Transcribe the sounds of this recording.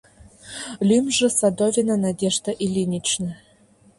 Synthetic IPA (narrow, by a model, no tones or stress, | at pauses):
lʲymʲʐɘ̆sad̪ovʲenanad̪ʲeʐd̪aʔilʲinʲit͡ɕnə